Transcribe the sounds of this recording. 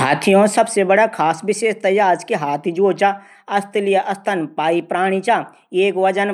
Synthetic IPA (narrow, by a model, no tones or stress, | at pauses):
ɦaːt̪ʰijõsɐbsebəɽakʰaːsʋɪʃeːʃt̪ɐjaːɾd͡ʒkeɦaːt̪ʰid͡ʒoːt͡ʃa | ɐst̪lɪjaʔɐst̪ʰənpaːipɾaːɽ̃it͡ʃaː | eːkʋɐd͡ʒən